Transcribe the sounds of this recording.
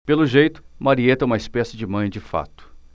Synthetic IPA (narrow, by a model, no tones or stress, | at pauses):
pelʊʒejt̪ʊ̥maɾiet̪ɐũmɐɪspɛsɪd͡ʒɪmɐ̃j̃d͡ʒɪfa̰t̪ʊ̥